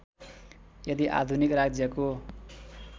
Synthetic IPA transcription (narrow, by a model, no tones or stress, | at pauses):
jʌd̪iʔa̰d̪ʱunikrad͡zjʌko